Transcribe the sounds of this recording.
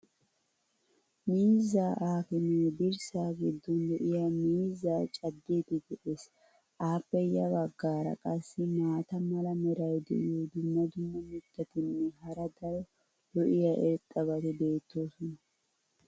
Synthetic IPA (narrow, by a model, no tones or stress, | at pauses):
miːzːaːʔaːkɪnɛbɪɾsaːɡɪd̪ːɔnd̪ɔʔɪjaːmiːzːaːt͡ʃʼɐd̪ːet̪ɪd̪ɛʔes | ʔaːpːɛjɐbɐɡːaːɾɐ̰kʼɐsːɪmaːt̪ɐmɐlɐmɛɾɐjd̪ɛ̰ʔɪ̰jod̪ʊmːɐd̪ʊmːɐmɪt̪ːɐt̪ɪnːɛɦɐɾɐd̪ɐɾɔ | d̪ɔʔɪjaʔɛɾt̪ʼːɐbɐt̪ɛbe̞ːt̪ːo̞ːsɔnɐ